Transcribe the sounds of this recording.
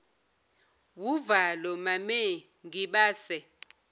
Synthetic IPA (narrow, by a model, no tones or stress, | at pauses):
wuvalɔmamɛ | ŋiɓaːsɛ